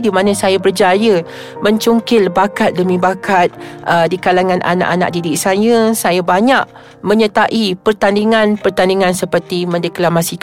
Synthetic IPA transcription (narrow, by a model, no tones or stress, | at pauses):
dimãnə̃sajabərd͡ʒajə | mə̃ɲt͡ʃuŋkɪlbakat̪̚dəmĩbakat̪̚ədikalaŋãnʔa̰na̰ʔana̰ʔ̚didiʔsajəsajabaɲaʔ̚ | mə̃ɲət̪aʔipərt̪andiŋãnpərt̪andiŋansəpərt̪imə̃ndəklamasik